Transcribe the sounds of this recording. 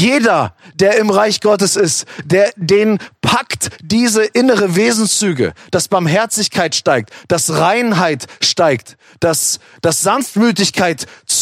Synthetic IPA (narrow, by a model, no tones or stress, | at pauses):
jeːdɐd̥eːɐɪmʁaɪçɡ̥ɔtəsɪstd̥eːɐdeːnpʰaktd̥iːzəʔɪnəʁəveːzn̩t͡syːɡə̰d̥asb̥aɐmɦɛɐt͡sɪçkʰaɪtʃtaɪk̚td̥asʁaɪnɦaɪtʃtaɪkt | d̥as | d̥asz̥anftmyːtɪçkʰaɪtt͡s